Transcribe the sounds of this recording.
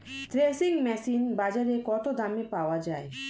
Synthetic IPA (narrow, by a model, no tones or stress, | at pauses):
t̪ɾesiŋmɛsinbad͡ʒaɾekɔt̪od̪amepaowad͡ʒae